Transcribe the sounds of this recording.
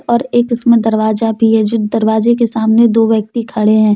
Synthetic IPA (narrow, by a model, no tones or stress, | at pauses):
ɔːɾeːkɪsmẽd̪ɐɾʋaːzabʱiɦɛd͡ʒʊd̪d̪ɐɾʋaːzek̬esaːmned̪oːʋjək̚t̪ikʰɐɽeɦɛ̃ː